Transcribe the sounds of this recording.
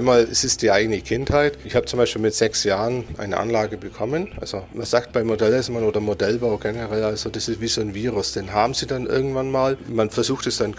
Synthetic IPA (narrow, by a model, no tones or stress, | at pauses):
aɪnmaːlɛsɪstd̥iːʔaɪɡənəkʰɪnthaɪtɪçhaːbə̥t͡sʊmbaɪʃpiːlmɪtz̥ɛksjaːʁənʔa̰ɪnə̰ʔa̰nlaːɡəbəkʰɔmənʔa̰lz̥omanz̥aːk̚tb̥aɪmodɛlɛsmanoːdɐmodɛlbaʊɡɛnəʁɛlalzodasɪstv̥iːzoːnviːʁʊsd̥eːnɦaːbm̩z̥iːdanʔɪ̰ɐɡŋ̩tv̥anmaːlmanfɛɐzuːxtɛsd̥an